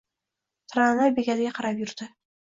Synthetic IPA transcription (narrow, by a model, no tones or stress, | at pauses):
t̪ʰɾanabeɡʲad̪ɪɡʲaqʰɑɾapjʊɾd̪ɪ